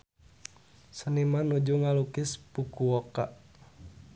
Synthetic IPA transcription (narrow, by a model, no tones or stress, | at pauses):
sənimanud͡ʒuŋalukɪspukuɔkaʔ